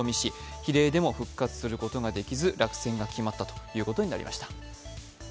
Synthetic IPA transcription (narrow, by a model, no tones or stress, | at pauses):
omʲiɕiçiɾe̞ːd̪e̞mo̞ɸɯ̟kːat͡sɨ̥sɨɾɯ̟ko̞t̪o̞ɡad̪e̞kʲizɨɾʔakɯ̥sẽ̞ŋɡakʲimat̪ːat̪o̥jɯ̟ːko̞t̪o̞ɲina̰ɾḭma̰ɕi̥t̪ḁ